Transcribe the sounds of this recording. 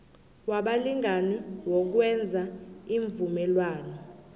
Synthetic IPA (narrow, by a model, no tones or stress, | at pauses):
waɓaliŋʱaniwɔk̬wɛnd͡zʱaiɱvumɛlwaːnɔ